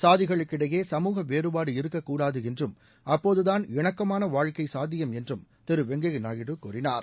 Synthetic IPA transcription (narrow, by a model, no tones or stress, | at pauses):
saːðɪɣɐɭɯkːɪɽɐjeːsɐmuːɣɐʋeːɾɯbaːɽɯɪɾɯkːɐkːuːɽaːðɯɛndrɯm | ɐpːoːðɯðaːnɪɳɐkːɐmaːnɐʋaːɻkɐɪsaːd̪ɪjɐmɛndrɯmt̪ɪɾɯʋɛŋɡɐɣnaːɣɪɽɯkːṵːrɪna̰ːɾ